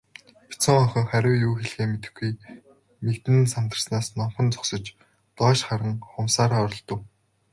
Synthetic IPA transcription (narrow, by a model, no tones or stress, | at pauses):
pʰi̥t͡sɔ̆ŋɔχʲə̆ŋχæɾʲʊ̆ːwjuːxeɮɣeːmet̪ɘ̆xɡuj | mekt̪ɘ̆nsan̥t̪ə̆rsnaːsnɔmχɞ̆nt͡sɔ̥ksɞ̆t͡ɕ | t̪ɔːʃχaɾə̆ŋχʊmsaːɾaːɔɾɞ̆ɮt̪ɞ̆w